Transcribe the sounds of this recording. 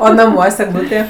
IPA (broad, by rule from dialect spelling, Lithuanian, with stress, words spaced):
oː nɐˈmuɔsʲ ɛɡˈlˠuːtʲeː